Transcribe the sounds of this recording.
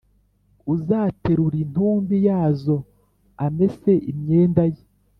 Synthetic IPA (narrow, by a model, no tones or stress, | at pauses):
uzaːte̞ɾuɾin̥huːmbijaːzo̞ | ame̞se̞ʔimɲe̞ːndaje